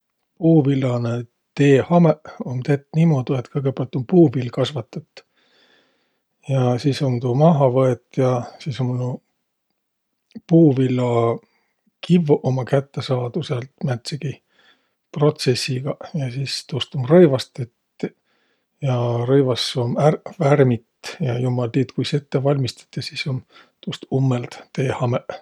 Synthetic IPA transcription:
puːvilːɑne | t̪e̞ːhɑmeo̞nt̪e̞t̪ːˑnimo̞d̪̥uet̪kɤjɡ̥epeɑlt̪ːˑo̞npuːvilːkɑsvɑt̪ːˑɑt̪ːˑ | jɑsisont̪uːmɑɦɑvɤet̪jɑsisomn | puːvilːɑ | kʰivʔomɑkæt̪ːesɑːd̪̥uselt̪mæt̪seɡ̥i | pro̞t̪se̞sːiɡ̥ɑjɑsiːst̪ust̪umrɤjvɑst̪et̪ː | jɑɾɤjvɑsːomærværmit̪jɑjumɑlt̪iːt̪kujset̪ːevɑlʲmist̪ɑ̥t̪ːˑesisom | t̪ust̪umːelt̪t̪e̞ːhɑmeʔ

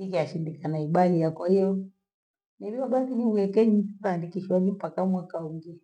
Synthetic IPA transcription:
ikiaʃindikanaiɓalijakwahijɔ | nɛbiwaɓaθiniuɛkɛɲiikaːndikiʃwaɲim̩pakamwakauŋɡi

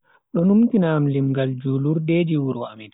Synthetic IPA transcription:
ɗɔnumtinamlimɡald͡ʒuːluɾdɛːd͡ʒiwuɾwaʔmin

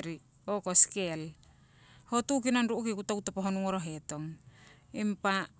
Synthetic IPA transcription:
ɾi | okoskel | hotukinonɾuʔukikutakutopaɦonuŋoɾoɦeto̞ŋ | impa

